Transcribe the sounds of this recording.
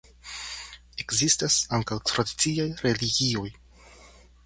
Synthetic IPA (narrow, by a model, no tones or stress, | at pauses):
e̞kzistasaŋkawekst̪ɾadit͡siajɾe̞liɡio̞j